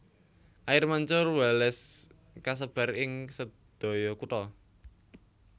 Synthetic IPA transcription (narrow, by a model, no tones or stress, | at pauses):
ʔajɪrmaɲt͡ʃʊrwɛlɛs | kas̬əb̥a̤ɾɪŋsə | d̪̥o̤jɔkut̪ɔ